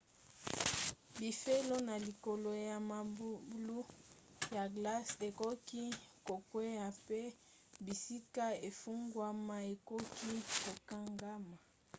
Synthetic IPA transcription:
bi˨fe˦lo˦na˨li˨ko˨lo˨ja˨ma˨bu˦blu˦ja˨ɡla˦se˨kɔ˦ki˦ko˨kwe˦ja˨pe˦ | bi˨si˦ka˦e˨fu˦ŋɡwa˦ma˦e˨kɔ˦ki˦ko˨ka˦ŋɡa˦ma˨

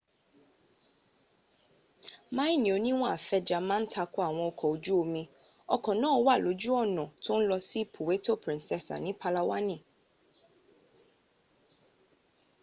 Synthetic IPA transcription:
mã˦i˦nĩ˨o˨nĩ˦w̃ɔ̃˦a˨fɛ˦d͡ʒa˨mã˦n̩˦tʰa˧kʊ˦a˨w̃ɔ̃˨ɔ˨kʰɔ˨o˨d͡ʒu˦o˨mĩ˧ | ɔ˨kʰɔ̃˨nãː˦wa˦˨lo˨˦d͡ʒu˦ɔ˦˨nɔ̃˨tʰʊ̃˦n̩˦lɔ˧si˦pʰo˨we˦to˦pɾĩ˦nsɛ˨sa̰˨nĩ˨˦pʰa˧la˦wa˦nĩ˨

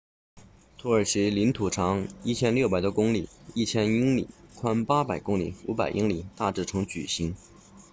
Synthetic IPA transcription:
t̪ʰu˧˥ə˞˨˩ʂ̩˧˥li˧˥nt̪ʰu˨˩ʈ͡ʂʰɑ˧˥ŋi˥˩t͡ɕʰjɛ˥nljo˥˩pa˨˩ɪt̪wɔ˥kʊ˥ŋli˨˩˦i˥˩t͡ɕʰjɛ˥ni˥ŋlḭ˨˩kʰwa˥npa˥pa˨˩ɪkʊ˥ŋlḭ˨˩u˧˥pa˨˩ɪʔi˥ŋli˨˩t̪a˥˧ʈ͡ʂɻ̩˥˩ʈ͡ʂʰɤ˧˥ŋt͡ɕy̰˨˩ɕi˧˥ŋ

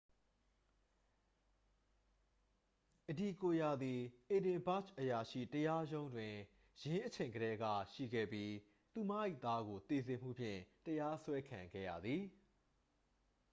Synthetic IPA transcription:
ʔədi˨ko˨ja˨d̪i˨ʔe˨dɪ̃˨mba˦t͡ʃʔəja˨ʃḭ˦˨təja˦jõ˦ʊ̃ndwɪ̃˨ | jɪ̃˦ʔə˦t͡ɕʰẽ˨ɪ̃ŋɡəɾɛ˦ɡä̰˦˨ʃḭ˦˨ɡɛ̰˦˨pji˦ | t̪u˨ma̰˦ʔḭ˦˨ʔt̪a˦ɡo˨t̪e˨zɪ̃˨m̥ṵ˦˨pʰjɪ̰̃˦˨təja˦swɛ˦kʰã˨ŋɡɛ̰˦˨jä̰˨d̪ði˨

